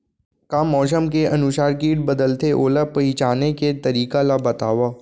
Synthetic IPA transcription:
kamɔːs̬əmkeʔɐnʊʃaːɾkiːʈ̚bəd̪əlt̪eʔoːlapɐɪt͡ʃaːneket̪ɐɾiːkalabɐt̪aːʋaː

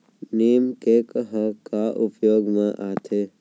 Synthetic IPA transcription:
neːmkekɦəkaʔupjoːɡmãʔat̪ʰe

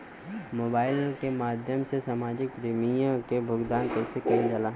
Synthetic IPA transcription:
moːbaːɪlkemaːd̪ʱjəmsesaːmaːd͡ʒɪk̚pɾiːmijãkebʱʊɡd̪aːnkɛːsekɐĩd͡ʒɐlaː

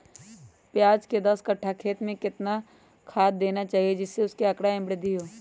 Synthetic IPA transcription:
pjaːd͡ʒked̪ɐskɐʈʰːakʰeːt̪mẽkɪt̪na | kʰaːd̪̚d̪eːnat͡ʃaːɦied͡ʒɪsːeʊskeɐkɽaɪ̃mbɽɪd̪iɦoː

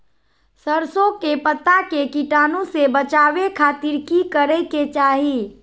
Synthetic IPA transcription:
səɾsõkepət̪akekiʈaːnõsebət͡ʃaːwekʰaːt̪iɾkikəɾɛket͡ʃaːɦi

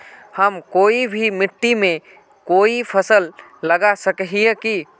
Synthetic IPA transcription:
həmkoːibʱimɪʈːimẽ | koːipʰəsəlːəɡasəkɦieki

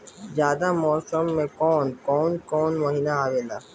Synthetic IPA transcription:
zjaːd̪amɔːsəmːẽkɔːnkɔːnkɔːnmɐɦiːnaaːʋeːlaː

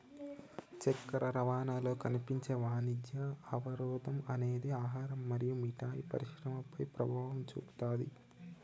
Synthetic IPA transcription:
t͡ʃɛkːɐɾʔɐɾɐʋaːnaːlo̞ːkɐnipiɲt͡ʃeːʋaːnid̪jɐɐʋɐɾɔːd̪ɐmɐne̞ːd̪iaːɦaːɾɐmːɐɾijumiʈaːjipɐ̰ɾiʃɾɐmɐpɐjpɾɐbʱaːʋɐmt͡ʃṵːpu̥t̪aːd̪ḭ

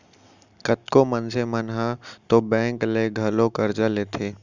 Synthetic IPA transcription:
kət̪komənsemənɦat̪obɛ̃ːŋkleɡʱɐlokɐɾd͡ʒaleːt̪ʰeː

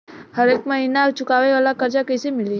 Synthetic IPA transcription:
həɾekməɦinat͡ʃʊkaʋeʋalakəɾt͡ʃakəjsemɪli

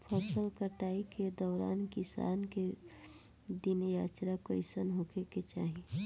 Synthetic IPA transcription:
pʰəsəlkəʈaːiked̪ɔːɾa̰ːnkɪsa̰ːnke | d̪injaːt͡ʃɾakoɪsənɦokʰeket͡ʃaːɦi

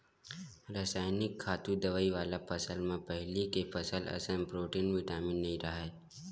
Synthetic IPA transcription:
ɾəsaːɪnɪkʰːaːt̪ud̪ɐʋaːiʋaːlapɐsəlmẽpɛɦlikefɐsəlɐ̰səmpɾoːʈiːnʋɪʈaːmɪnːɐɦĩɾɐɦa

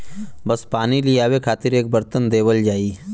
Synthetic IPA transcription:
bəspaːniliaːwekʰaːt̪ɪɾeːk̚bəɾt̪ənd̪eːwəld͡ʒaːiː

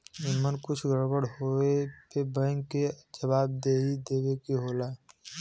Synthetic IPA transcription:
ɪmənkʊt͡ʃʰɡʱəɾbəɽɦoepebə̃ŋɡked͡ʒəbaːb̚d̪eːid̪eːwekiɦoːlaː

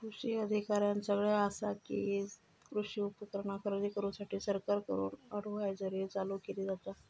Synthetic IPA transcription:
kɾuʂiːəd̪ʱikaɾjansəɡɭjaəsakḭ | kɾuʂiːupəkəɾɳakʰəɾd̪iːkəɾusaʈʰiːsəɾkaɾkəɾṵːnəɽ̤uɦajd͡zəɾet͡salukit̪id͡zat̪a

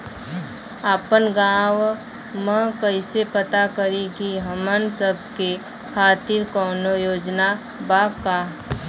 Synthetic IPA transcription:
aːpənɡãːw | mə̃kəɪsepət̪akəɾikiɦəmənsəb̚ʱke | kʰaːt̪iɾkɔːnojoːd͡ʒna | baːkaː

